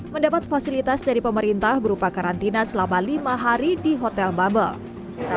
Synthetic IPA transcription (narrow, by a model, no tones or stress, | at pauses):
məndapat̪̚fasilit̪asdaɾipəməɾint̪ahbəɾupakaɾant̪inasəlamalimaɦaɾidiɦot̪ɛlbabə̰l